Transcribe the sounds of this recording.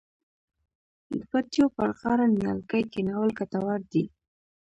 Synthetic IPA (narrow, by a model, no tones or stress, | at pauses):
pat̪jopaɾqɑɾanjɑ̰lkajkɪnawəlkat̪awaɾd̪i